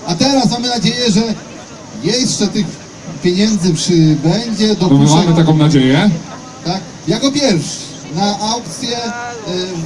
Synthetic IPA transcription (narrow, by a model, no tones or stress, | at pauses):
at̪ɛɾasmamɘnad͡ʑejɛʐɛ | jɛʂt͡ʂɛt̪ɪx | pʲjeɲɛnd̪zɘpʂɘbɛɲd͡ʑɛd̪ɔɔumamɨt̪akɔ̃w̃nad͡ʑejɛ | t̪ak | jakɔpʲjɛɾfʂɛ | naʔawkt̪sʲjɛ